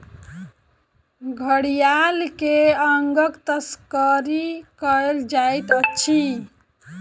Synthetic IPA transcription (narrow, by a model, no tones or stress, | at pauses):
ɡʱəɽijalkeəŋɡəkt̪əskəɾikəeld͡ʒajt̪ətːt͡ʃʰi